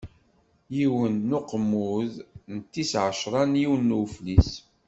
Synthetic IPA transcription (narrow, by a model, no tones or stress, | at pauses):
jiwənːʊqəmːʊðnət̪ːisʕəʃɾˤɑnjiwənːuwflis